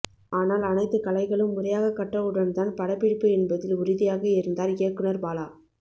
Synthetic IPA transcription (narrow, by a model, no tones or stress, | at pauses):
aːnaːlɐnɐɪt̪ːɯkɐlɐɪɣɐɭɯmːʊrɐjaːɣɐkːɐʈːrɐɯɽɐnt̪aːnpɐɽɐpːɪɽɪpːɯɛnbɐðɪlʊɾɪðɪjaːɣɐɪɾɯnd̪aːɾeːkɯɳɐɾpaːlaː